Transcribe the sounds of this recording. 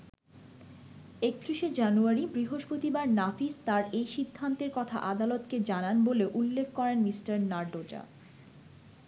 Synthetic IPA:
ek̚t̪ɾuʃed͡ʑanuaɾibɾiɦoʃpot̪ibaɾnafist̪aɾejʃid̪ʱːant̪eɾkɔt̪ʰa̰ʔad̪alot̪ked͡ʑananboleoʔulːekʰːkɔɾenmisʈaɾnaɾɖod͡ʑa̰

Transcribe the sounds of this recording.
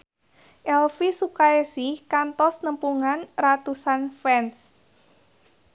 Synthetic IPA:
ʔɛlfisukaesihkant̪ɔsnəmpuŋanrat̪usanfɛns

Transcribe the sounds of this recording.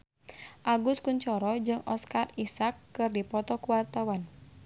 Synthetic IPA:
ʔaɡʊskuɲt͡ʃɔɾɔd͡ʒɨŋʔɔskarisakːɨrdipɔt̪ɔkuwart̪awan

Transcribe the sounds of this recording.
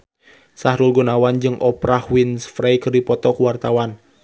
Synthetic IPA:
sahɾulɡunawand͡ʒɨŋʔɔpɾahwinsfɾejkɨrdipɔt̪ɔkuwart̪awan

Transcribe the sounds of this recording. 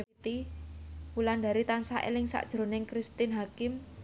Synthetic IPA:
t̪i | wuland̪a̤ɾit̪ansaʔḛlɪŋsa̰ʔd̥ʒ̥ɾo̤nɪŋkɾist̪ɪnɦakɪm

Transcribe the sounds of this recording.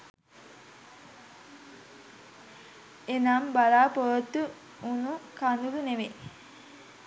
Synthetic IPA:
enambalaːpoʋət̪ːu | unukand̪uluneʋe

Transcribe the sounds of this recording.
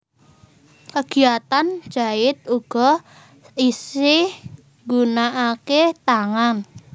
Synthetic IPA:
kəɡ̥iat̪an̥ʒ̥a̤ɪt̪̚uɡ̥ɔ | isɪh | ŋɡunaʔaket̪aŋan

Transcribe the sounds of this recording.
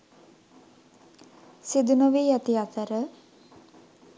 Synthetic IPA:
sid̪unəʋiːjæt̪iat̪əɾə

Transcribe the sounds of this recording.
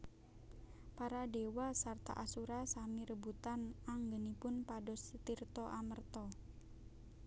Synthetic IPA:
paɾadewasart̪a̰ʔasuɾasamiɾəbut̪anaŋɡənipʊnpadɔst̪irt̪ɔʔamərt̪ɔ

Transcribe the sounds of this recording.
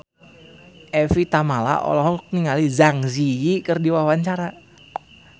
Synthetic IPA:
ʔɛfit̪amala̰ʔo̰lɔɦɔk̚niŋalizaŋzijikərdiwawaɲt͡ʃaɾa

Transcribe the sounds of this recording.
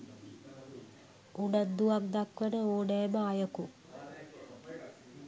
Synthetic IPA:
uɖəd̪ːuʋak̚d̪akʋənəoːɖɛjməajəku

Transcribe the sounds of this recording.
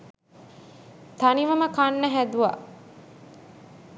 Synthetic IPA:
t̪aniʋɐməkanːɐɦæd̪uʋa̰ʔ

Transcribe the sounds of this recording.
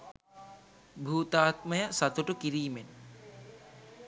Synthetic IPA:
bʱuːt̪aːt̪məjəsat̪uʈukiɾiːmen

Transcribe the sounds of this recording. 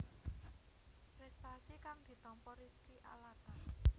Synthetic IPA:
pɾɛst̪asikaŋd̪̥i̤t̪ɔmpɔɾiskiʔa̰lat̪as

